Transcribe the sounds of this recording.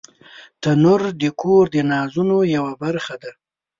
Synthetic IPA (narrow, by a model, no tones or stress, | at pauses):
t̪anʊɾd̪əkʰoɾd̪ənɑzunojawabaɾxad̪a